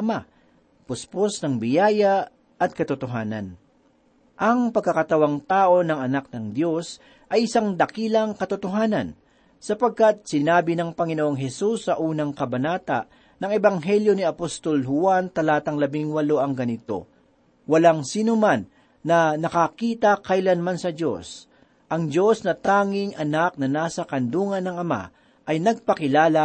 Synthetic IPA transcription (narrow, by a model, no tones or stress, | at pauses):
ɐma | pʊsposnɐŋbɪjaːja | ʔɐt̪̚kɐt̪ʊt̪oɦaːnɐ̰n | ʔɐŋpɐɡ̚kːɐkɐt̪ɐwaŋt̪aːʔo̞nɐŋɐnak̚nɐŋd̪jo̞s | ʔɐjɪsaŋd̪ɐkiːlɐŋkɐt̪ʊt̪oɦaːnɐn | sɐpɐɡ̚kat̪̚sɪnaːbɪnɐŋpɐŋɪnoʔoŋɦɛsusːɐʔuːnɐŋkɐbɐnaːt̪aʔ | nɐŋɛbɐŋɦɛljo̞niɐpost̪o̞lɦʊant̪ɐlaːt̪ɐŋlɐbɪŋwɐlo̞ʔɐŋɡɐnɪt̪o̞̰ | wɐlaŋsiːnomanː | ɐnɐkakiːt̪ɐkɐjlanmansɐdo̞̰s | ʔɐŋd͡ʒo̞snɐt̪aːŋɪŋʔɐnak̚nɐnaːsɐkɐnd̪uːŋɐnːɐŋɐma̰ | ʔɐjnɐɡ̚pɐkɪlaːlɐ